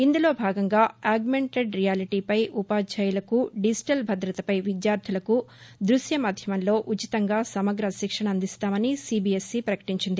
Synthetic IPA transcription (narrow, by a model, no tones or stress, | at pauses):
ind̪ulo̞ːbʱaːɡɐŋɡaːaːɡme̞ɳʈeɖɾijaːliʈiːpɐjʔupaːt͡ʃʰɐjulɐkuɖisi̥ʈɐlbʱɐd̪ɾɐt̪ɐpɐjʋid̪jaːɾt̪ʰulɐkud̪ɾusjɐmaːd̪ʱjɐmɐnlo̞ːʔut͡ʃit̪ɐŋɡaːsɐmɐɡɾɐʃikʂɐɳɐɐnd̪ist̪aːmɐnisiːbiːesːiːpɾɐkɐ̥ʈiɲt͡ʃind̪i